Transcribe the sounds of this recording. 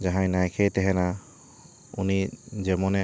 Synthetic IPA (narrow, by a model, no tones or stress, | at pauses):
d͡ʒaɦãjnajkʰejt̪ɛɦɛna | unid͡ʒɛmɔnɛ